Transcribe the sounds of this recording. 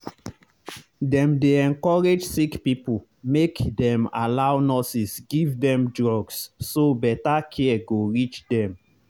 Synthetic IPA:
dɛ̃mdeɛ̃nkɔɹed͡ʒsikpipul | mekdɛ̃ma̰lawnɔsisɡivdɛ̃mdɹɔɡssobɛtakʰɛɡoɹit͡ʃdɛ̃m

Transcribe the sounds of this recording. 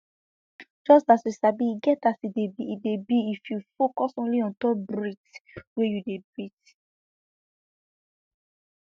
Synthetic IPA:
d͡ʒɔstatwisabiːɡɛtasidebiːdebiifjufokɔsõnliɔ̃ntɔbɹitwejudebɹit

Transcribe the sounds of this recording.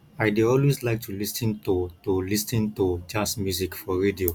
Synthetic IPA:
ajdeɔlweslaɪk̚tʰulisə̃ntutulisĩntud͡ʒãsmjuzikfɔɹedio

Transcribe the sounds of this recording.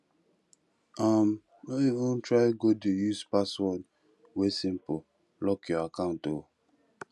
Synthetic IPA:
am | oivũntɹaɪɡodejuspaswɔd | wesĩmpo | lɔkjɔakãʊ̃nto

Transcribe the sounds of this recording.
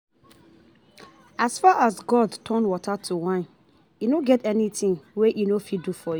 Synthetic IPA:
asfaʔasɡɔdtʰɔ̃nwɔtʰatʰuwãɪ̃n | inoɡɛtɛnitĩŋweʔinofidufɔju

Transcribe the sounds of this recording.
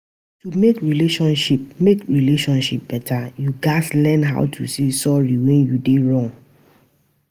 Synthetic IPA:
tumekɹileʃɔ̃nʃip̚mekɹileʃɔ̃nʃḭp̚b̥ɛtʰajuɡaslɛnɦa̰ʊtʰṵsesɔɹiwɛ̃njudeɹɔ̃ŋ

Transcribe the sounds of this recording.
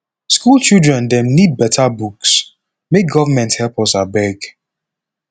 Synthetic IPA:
skulˠt͡ʃildɹɛ̃ndɛ̃mnid̚bɛtʰabuks | mek̚ɡɔvamɛ̃nthɛlˠpɔsabɛɡ

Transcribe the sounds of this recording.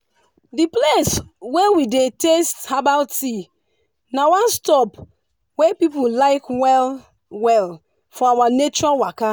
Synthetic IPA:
dipleswewidetesthabalti | nawãnstɔp | wepipulaɪkwɛl | wɛl | fɔawanet͡ʃɔɹalwaka

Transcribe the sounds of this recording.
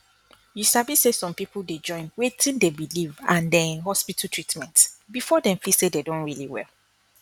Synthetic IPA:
jusabisesɔ̃mpipulded͡ʒɔ̃ɪ̃nwetʰĩndebilivã̰ndɛ̃nɦɔspitʰatʰɹitmɛ̃ntbifɔdɛ̃mfisededõnɹiliwɛ̰l

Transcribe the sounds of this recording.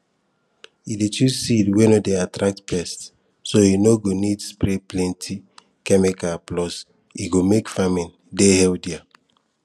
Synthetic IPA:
idetusidwenodeatɾak̚tpɛst | soinoɡonidspɹeplɛ̃ntʰi | kɛmikaplɔs | iɡomekfamĩn | dehɛldia

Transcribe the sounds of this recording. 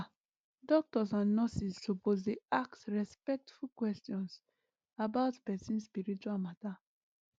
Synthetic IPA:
dɔk̚tɔsãnːɔsissopozdeaksɹɛspɛk̚tfulkwɛstiɔ̃ns | abaʊtpɛsĩnspiɾit͡ʃualmata

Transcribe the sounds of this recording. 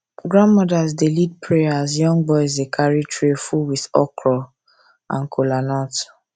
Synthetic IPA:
ɡɹãndmɔdas̬delid̚pɹeazjɔ̃ŋbɔɪz̬ekʰaɹitɹefulwiθɔkʰɹɔ | ã̰nkʰolanɔt

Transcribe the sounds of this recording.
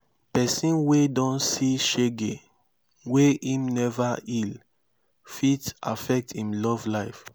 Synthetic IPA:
pɛsĩnwedɔ̃nsiʃeɡe | weĩmnɛvail | fita̰fɛk̚tĩmlɔvlaɪf

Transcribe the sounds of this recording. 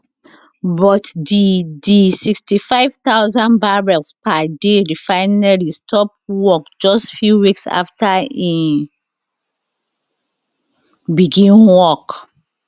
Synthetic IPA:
bɔtdidisikstifajv̥t̪awzãnbaɹɛlspadedifaɪnalistʰɔp̚wɔk̚d͡ʒɔstfjuwiksa̰ftaĩn | biɡĩnwɔk

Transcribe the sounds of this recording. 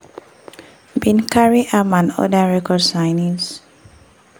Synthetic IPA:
bĩnkaɹiʔamãnɔ̰daɹɛkɔdsajnis

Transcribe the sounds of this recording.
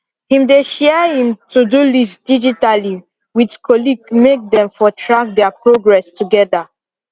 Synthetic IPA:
hĩmdeʃɛhĩmtudulistd̥id͡ʒitali | witkʰɔliɡmek̚dɛ̃mfɔtʰɹak̚dɛapɹoɡɹɛstuɡɛda

